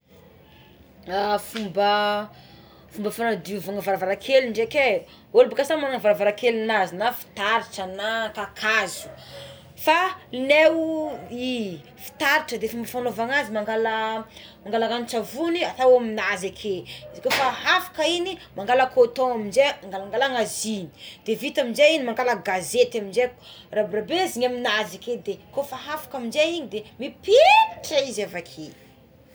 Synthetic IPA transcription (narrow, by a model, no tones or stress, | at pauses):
afumbə | fumbəfanad̪iuvaŋavaɾavaɾakʰeliɳɖ͡ʐeke | olbakasamaaŋavaɾavaɾakelinazinafi̥t̪aɾiʈ͡ʂənakakʰazu̥ | fanewi | fi̥t̪aɾiʈ͡ʂəd̪efumbəfanovaŋazimaŋɡala | maŋɡalaɡant͡ʃavuniat̪awaminazakʰeizikofaɦafḁkəinimaŋɡaləkot̪oaminzemaŋɡalŋɡalaŋazini̥d̪̥evit̪aminzeinimaŋɡaləɡazet̪aminzekrabɾabeziɲaminazaked̪ekofaɦafḁkaminzeiɲid̪emipeʈ͡ʂaizavakʰe